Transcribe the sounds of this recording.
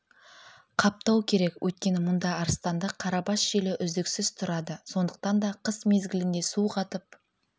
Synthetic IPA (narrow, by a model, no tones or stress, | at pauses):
qʰɑp̚t̪ɑwkʲʰe̞ɾe̞kwʔɵjt̪̚kʲe̞nɪmʊnd̪ɑɑɾəst̪ɑnd̪ɑqʰɑɾɑbɑsʒ̥elɪʔʏzd̪ɪksɪz̥t̪ʰʊɾɑd̪əso̞nd̪əq̚t̪ɑnd̪ɑqʰəsme̞zɡʲɪlɪnd̪e̞suqʰɑt̪əp̚